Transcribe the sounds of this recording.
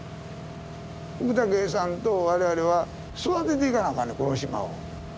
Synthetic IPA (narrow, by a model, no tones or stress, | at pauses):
uːt̪aɡes̬ãnt̪oβaɾeβaɾeβa | sɨat̪et̪̬eikanamanikoɾoɕima̰o̰